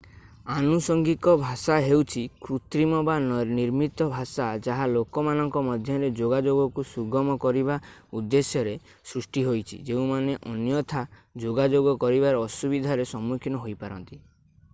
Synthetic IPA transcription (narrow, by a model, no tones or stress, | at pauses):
anusɔŋɡikɔbʱasaɦewt͡ʃʰikɾut̪ɾimɔbaniɾmit̪ɔbʱasad͡ʒaɦalokɔmanɔŋkɔmɔd̪ʱjɔɾed͡ʒoɡad͡ʒoɡɔkusuɡɔmɔkɔɾiβaud̪ːesjɔɾe | sɾusʈiɦojt͡ʃʰḭd͡ʒeũmaneʔɔnjɔt̪ʰad͡ʒoɡad͡ʒoɡɔkɔɾiβaɾɔːsubid̪ʱaɾesɔmːukʰinɔɦojpaɾɔnt̪i